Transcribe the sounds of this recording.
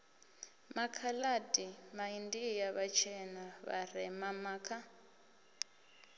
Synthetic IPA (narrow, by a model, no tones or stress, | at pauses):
makʰaladimaindijaβat͡ʃʰɛnaβa̰rɛmamakʰa